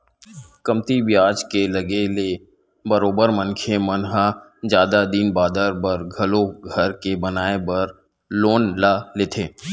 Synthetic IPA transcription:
kɐmt̪ibjaːd͡ʒkelɐɡele | bɐɾoːbəɾmə̃nkʰemɐnɦad͡ʒjaːd̪ad̪iːnbaːd̪əɾbəɾɡʱɐloɡʱɐɾkebɐnaːebɐɾ | loːnlaːleːt̪ʰeː

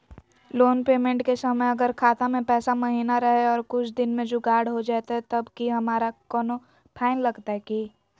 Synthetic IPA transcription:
loːnpeːmẽɳʈkesɐməjɐɡəɾkʰaːt̪amẽpɛːsamɐɦiːnaɾɐɦeɔːɾkʊt͡ʃʰd̪ɪnmẽd͡ʒoːɡaːɾɽɦod͡ʒaːt̪aɦɛt̪ɐbkiɦɐmaːɾakɔːno | pʰaːɪnlɐɡt̪aɦɛkiː

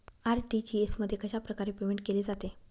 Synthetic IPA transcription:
aɾʈit͡ɕiesməd̪ʱːjekəɕapɾəkaɾepemeɳʈ̚keled͡zat̪e

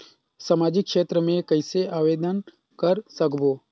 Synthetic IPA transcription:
samaːd͡ʒɪkːʃeːt̪ɾəmẽkɐɪseʔaːʋeːd̪ən | kɐɾsəkboː

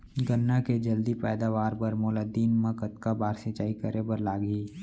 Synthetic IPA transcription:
ɡənːaked͡ʒəld̪ipɛːd̪aːʋaːɾbəɾmʊːlad̪iːnmãkət̪kabaːɾsɪt͡ʃaːikəɾebəɾlaːɡiː

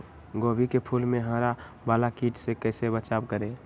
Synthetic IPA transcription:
ɡoːbikepʰuːlmẽɦə̃ɾa | baːlakiʈsekəːsebət͡ʃabkəɾe

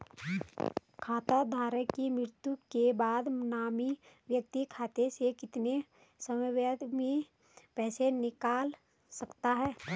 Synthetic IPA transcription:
kʰaːt̪ad̪ʱaːɾəkimɾɪɾt̪jukebaːd̪naːmiʋjək̚t̪ikʰaːt̪esekɪt̪ne | səmʋəd̪mẽ | pɛːsenɪkaːl | sɐkt̪aɦɛː

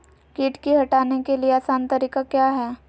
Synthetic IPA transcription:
kiːʈkiɦɐʈaːnekelieaːsaːnt̪ɐɾiːkakjaːɦɛː

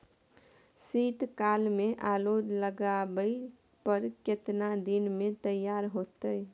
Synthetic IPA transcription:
sit̪kalmeʔalod̪ləɡabəi | pəɾket̪nad̪inmẽt̪əjːaɾɦot̪əj

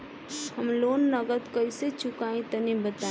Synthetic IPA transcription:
həmloːnːəɡət̪kəɪset͡ʃʊkaːĩt̪ənĩbət̪a

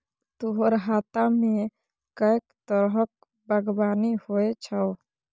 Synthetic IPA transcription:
t̪uɦəɾɦaːt̪amẽ | kəjkt̪əɾɦək | bəɡbaːnihoet͡ʃʰə

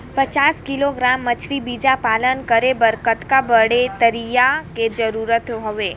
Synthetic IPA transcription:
pət͡ʃaːskɪloɡɾamːət͡ʃʰɾibid͡ʒapalənkəɾebəɾkət̪kabəɽet̪əɾijaked͡ʒəɾuːɾət̪ɦəʋe

